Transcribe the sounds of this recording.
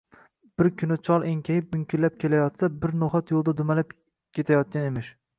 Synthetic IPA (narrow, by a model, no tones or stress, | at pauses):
b̥ɪɾkʲʰʊnɪt͡ʃʰɒlˠeŋkʲʰajɪp̚mʊŋkʲʰɪlːap̚kʲʰe̞lajɒt̪sabɪɾnoχat̪jolˠd̪ad̪ʊmalap̚ | kʲʰe̞t̪ʰajɒt̪̚kʲanemɪʃ